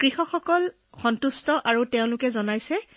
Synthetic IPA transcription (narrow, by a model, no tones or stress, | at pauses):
kɹixɔxɔkɔl | xɔntustɔʔaɹuteʊ̃lʊkɛzɔnajsɛ